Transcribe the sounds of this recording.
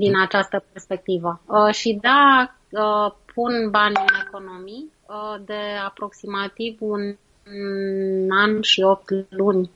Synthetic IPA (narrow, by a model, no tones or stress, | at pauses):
d̪inat͡ʃast̪əperspe̞k̚t̪ivəəʃid̪a | əpʰunbanɨne̞ko̞no̞mi | əd̪e̞apɾo̞ksimat̪ivun | anʃio̞p̚t̪lunʲ